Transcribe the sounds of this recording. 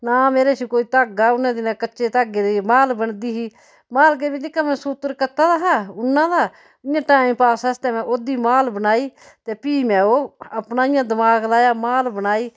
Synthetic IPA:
naːmeːɾeːsikoːiːt̪aːɡaːʊnãːd̪inãːkəːʃeːt̪aːɡeːd̪iːmaːlbənd̪iːɦiː | maːlk̬eːbĩːnɪkːaːmɛ̃ːsut̪əɾkət̪aːd̪aːɦaːʊnːãːd̪aː | ɪjãːʈaːɪimpaːsaːst̪ɛːmɛ̃ːʔoːd̪iːmaːlbənaːiː | t̪eːpiːmɛ̃ːoːəpnaːɪjãːd̪əmaːɡlaːjaːmaːlbənaːiː

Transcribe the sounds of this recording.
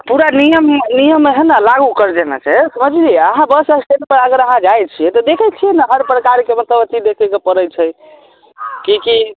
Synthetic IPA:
puɾanijəmnijəmːeɦənalaɡukəɾd͡ʒena̰t͡ʃʰasəməd͡ʒd͡ʒiəɦãbəsəsʈenpəɾəɡəɾəɦãd͡ʒajt͡ʃʰijɛt̪ɔd̪ekʰɛt͡ʃʰijɛnaɦəɾpɾəkaɾkemət̪ləbət̪id̪ekʰɛkepəɾət͡ʃʰɛj | kiki

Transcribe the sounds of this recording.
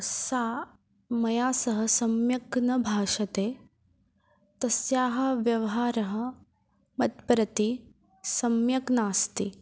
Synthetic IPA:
saː | mɐjaːsɐɦɐsɐmjɐknɐbʱaːʃɐt̪eː | t̪ɐsjaːɦɐ̆ʋjɐʋɐɦaːɾɐɦɐ̆ | mɐt̪pɾɐt̪i | sɐmjɐknaːst̪i

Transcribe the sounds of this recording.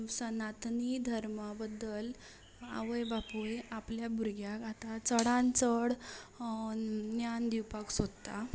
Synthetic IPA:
sənat̪nid̪ʱəɾməbəd̪ːəl | a̰ʋəjbapueapljabʱuɾɡjakat̪at͡səɽãnt͡səɽ | njand̪iwpaksod̪t̪a

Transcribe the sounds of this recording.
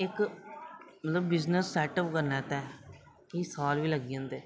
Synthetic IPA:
ɪk | mət̪ləbːɪznəsːɛːʈəpkəɾnɛ̃ːt̪ɛː | kisaːlʋiːləɡiãːnd̪eː

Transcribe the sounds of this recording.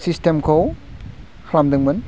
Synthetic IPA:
sistemkʰow | hʰɾamdɯŋbɐn

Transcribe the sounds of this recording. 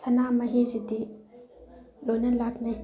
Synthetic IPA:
tʰɐnamɐɦizidi | lojnɐlak̚naj

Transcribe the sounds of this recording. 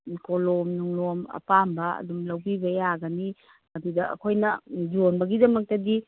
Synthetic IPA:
kolomnuŋlomɐ̰pambɐɐ̰dumlɐwbibɐjaɡɐni | mɐdidɐɐ̰kʰojnɐd͡ʒonbɐɡidɐmɐk̚tɐdi

